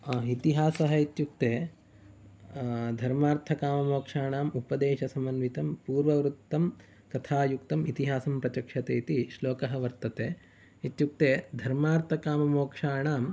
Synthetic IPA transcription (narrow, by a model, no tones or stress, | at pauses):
it̪iɦaːsɐɦɐit̪juk̚t̪eː | d̪ʱɐɾmaːɾt̪ʰɐkaːmɐmoːkʂaːɳaːmupɐd̪eːʃɐsɐmɐnʋit̪ɐmpuːɾʋɐʋɾut̪ːɐm | kɐt̪ʰaːjukt̪ɐmit̪iɦaːsɐmpɾɐt͡ʃɐkʂɐt̪eːit̪iʃloːkɐɦɐʋɐɾt̪ɐt̪eː | it̪juk̚t̪eːd̪ʱɐɾmaːɾt̪ʰɐkaːmɐmoːkʂaːɳaːm